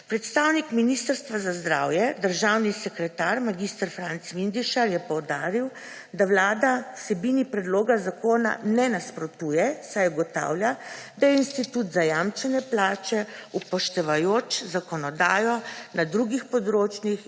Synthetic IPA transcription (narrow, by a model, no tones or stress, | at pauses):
pɾɛt̪st̪awnikminist̪əɾst̪ʋazazd̪ɾa̰wjɛd̪əɾʒawnisɛkɾɛt̪aɾmaɡist̪əɾfɾant̪sʋind̪iʃaɾjɛpɔwd̪aːɾiw | d̪awlaːd̪awsɛbinipɾɛd̪loːɡazakoːna̰nɛnaspɾɔt̪ujɛsajɡɔt̪a̰ːwljad̪ajɛinst̪it̪ut̪zajamt͡ʃɛnɛplaːt͡ʃɛupɔʃt̪ɛʋajoːt͡ʃzakɔnɔd̪aːjɔnad̪ɾuɡixpɔd̪ɾoːt͡ʃnix